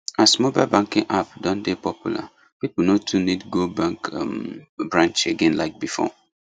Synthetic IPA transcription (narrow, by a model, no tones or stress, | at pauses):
asmobaɪlbãŋkḭ̃ŋʔapdɔ̃ndepɔpjṵla̰ | pipɔnotʰunidɡobãŋkmbɹãnt͡ʃeɡẽnlaɪk̚bifɔ̰